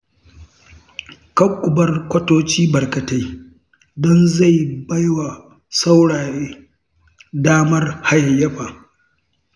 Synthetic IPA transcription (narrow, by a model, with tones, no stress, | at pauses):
kɐ˦kʷʼːʊ˨bɐ˦rkʷɐ˦toː˦t͡ʃiː˦bɐ˨rkɐ˨ta˦j | dɔ˦nza˦˨jbɐ˦jwa˨ | sa˦wɽaː˨ɾeː˦ | daː˦mɐ˦rha˦jɐ˨jːɐ˦ɸa˨